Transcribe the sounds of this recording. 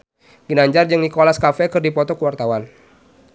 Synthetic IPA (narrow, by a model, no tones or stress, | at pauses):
ɡ̥inaɲd͡ʒard͡ʒɨŋdikɔlaskafɛkɨrdipɔt̪ɔkəwart̪awan